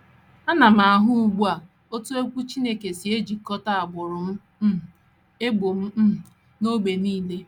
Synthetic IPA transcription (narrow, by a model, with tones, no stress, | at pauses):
a˦na˨m̩a˨a˨ɦʊ˦u˦ɡ͡bu˦a˨ | o˦tu˦e˦kʷu˦t͡ʃi˦ne˦ke˨si˨e˦d͡ʒi˨kɔ˦ta˦a˨ɡ͡bʊ˨ɾʊ˨m̩˦˨ | e˦ɡ͡bo˨m̩˦˨ | no˦ɡ͡be˨niː˦le˦